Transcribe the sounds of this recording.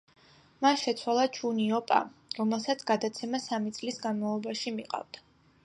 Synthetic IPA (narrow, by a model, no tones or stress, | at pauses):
manʃɛt̪sʰwalˠat͡ʃʰuniɔpʼa̰ɾɔmɛlˠsat̪sʰɡ̥ad̪at̪sʰɛmasamit̪sʼlisɡanmavlˠɔbaʃimiqʼa̰vd̪a